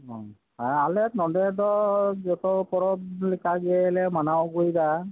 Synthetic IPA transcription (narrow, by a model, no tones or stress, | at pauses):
ɔ̃ | alɛtnɔdɛdɔd͡ʒɔt̪ɔpɔɾɔblɛkaɡɛlɛmanawɡujda